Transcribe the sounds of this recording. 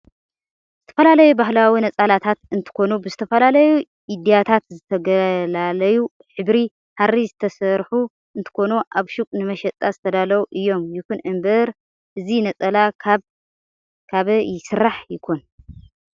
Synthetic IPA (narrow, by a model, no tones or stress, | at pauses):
z̥ɨt̪ʰɐ̥fɐlalɐjubahlawinɐt͡sʼalat̪ʰat̪ɨnt̪ʰɨ̥ko̞nubɨzɨt̪ʰɐfɐlalɐju | ʔid̪ijat̪ʰat̪zɨt̪ʰɐɡɐlalɐju | ħɨbɾi | harːizɨt̪ʰɐsɐɾħu | ɨnt̪ʰɨ̥ko̞nuʔaβʃukʼnɨmɐʃɐt̪ʼːazɨt̪ʰɐd̪alɐwuʔɨjːo̞mjɪkʰunʕɨmbɐɾ | ʔɨzinɐt͡sʼɐla | kʰaβjɪsɨɾːaħjɪkʰon